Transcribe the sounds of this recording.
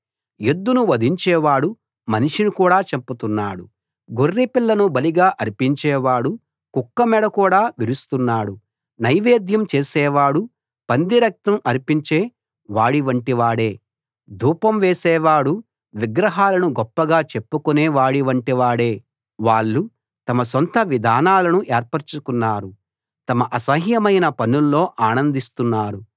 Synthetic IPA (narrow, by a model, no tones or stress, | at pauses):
jed̪ːunuʋɐd̪ʱiɲt͡ʃɛːʋaːɽu | mɐniʂinukuːɽaːt͡ʃeput̪unːaːɽu | ɡorːipiɭːɐnubɐliɡaːʔɐɾipiɲt͡ʃɛːʋaːɽu | kukːɐmɛɽɐkuːɽaːʋiɾust̪unːaːɽu | nɐjʋeːd̪jɐmt͡ʃeːsɛːʋaːɽu | pɐnd̪iɾɐk̚t̪ɐmʔɐɾipiɲt͡ʃeː | ʋaːɽiʋɐɳʈiʋaːɽeː | d̪ʱuːpɐmʋeːsɛːʋaːɽu | ʋiɡɾɐɦaːlɐnuɡɔpːɐɡaːt͡ʃe̞pːukuneːʋaːɽiʋɐɳʈiʋaːɽe̞ː | ʋaːɭːu | t̪ɐmɐs̬ɔnt̪ɐʋid̪ʱaːnaːlɐnuʔeːɾpɐɾt͡ʃukunːaːɾu | t̪ɐmɐʔɐsɐɦjɐmɐjnɐpɐnulːo̞ːʔaːnɐnd̪ist̪unːaːɽu